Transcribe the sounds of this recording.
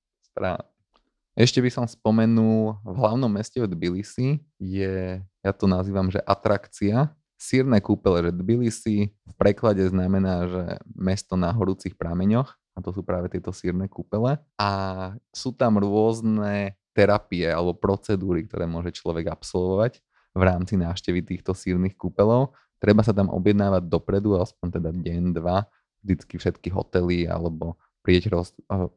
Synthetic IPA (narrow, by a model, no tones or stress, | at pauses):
spɾa̰ | ʔɛʃcɛbisɔmspɔmɛnulvɦlaʊnɔmːɛscɛvd̪bilisi | jɛjat̪ɔnaziːʋamʒɛʔat̪ɾakt͡sia | siːɾnɛkuːpɛlɛʒɛd̪bilisifpɾɛklaɟɛznamɛnaːʒɛ̰mɛst̪ɔnaɦɔɾuːt͡sixpɾamɛɲɔx | at̪ɔsuːpɾaːʋɛt̪ɪɛt̪ɔsiːɾnɛːkuːpɛlɛ | asuːt̪amɾʊɔznɛt̪ɛɾapiɛalɛbɔpɾɔt͡sɛd̪uːɾik̚t̪ɔ̰ɾɛ̰ːmʊɔʒɛt͡ʃlɔʋɛɡapsɔlˠʋɔʋaɟ | ʋɾaːmt͡sinaːfʃcɛʋit̪iːxt̪ɔsiːɾnixkupɛlɔʊ | t̪ɾɛbasat̪amʔɔ̰bjɛd̪naːʋaɟ̚d̪ɔpɾɛd̪uaspɔɲt̪ɛd̪aɟɛnd̪ʋa | ʒd̪it͡skifʃɛt̪kiɦɔ̰t̪ɛlia̰lɛbɔ | pɾiɛɟɾɔs